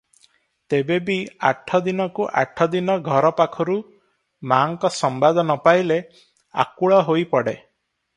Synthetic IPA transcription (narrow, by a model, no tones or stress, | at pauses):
t̪ebebia̰ʈʰːɔd̪inɔkuʔa̰ʈʰɔd̪inɔɡʱɔɾɔpakʰɔɾu | maŋkɔsɔmbad̪ɔnɔpaile | a̰kuɭɔɦojpɔɽe